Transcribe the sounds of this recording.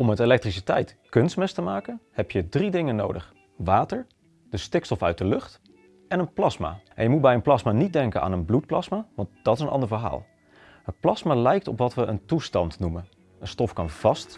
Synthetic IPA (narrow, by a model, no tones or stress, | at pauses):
ɔmətelɛk̚trisitɛjtkɵnstmɛstəmaːkənhɛpjədridɪŋəno̰wdəχ | ʋaːtəɹ | d̥əstɪkstɔfœɥt̚dəlɵχt | ɛnənplɑsma̰ːʔɛ̰njəmut̚bɛjənplɑsmaːnit̚dɛŋkəna̰ːnənblut̚plɑsmaʋɑnt̚d̥ɑtɪsənʔɑ̰ndəɹvəɹɦa̰ːlˠ | ɦətplɑsmaːlɛjk̚tɔpʋɑtʋəʔəntustɑntnumən | ənstɔfkɑnv̥ɑst